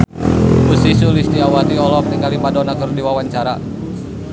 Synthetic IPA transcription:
busisulist̪iawat̪iɔlɔk̚niŋalimadɔnakərdiwawaɲt͡ʃaɾa

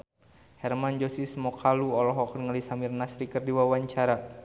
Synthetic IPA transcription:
hɛrmand͡ʒosismɔkʰaluɔlɔɦɔkərŋalisamirnasɾikərdiwawaɲt͡ʃaɾa

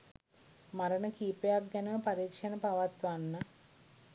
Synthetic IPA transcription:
maɾənəkiːpejak̚ɡænəʋəpaɾiːkʂənəpaʋat̪ʋanːə

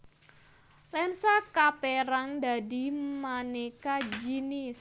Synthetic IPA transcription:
lɛnsakapeɾaŋd̪a̤dimanekad͡ʒinis

